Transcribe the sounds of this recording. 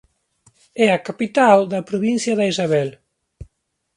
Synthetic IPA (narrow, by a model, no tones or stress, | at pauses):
ɛakapit̪ald̪ɐpɾuβinsjɐðaizaβɛl